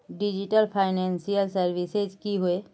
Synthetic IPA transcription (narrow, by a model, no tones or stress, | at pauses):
ɖid͡ʒiʈəlpʰaɪnɛ̃nsijəlsəɾʋised͡ʒkiɦue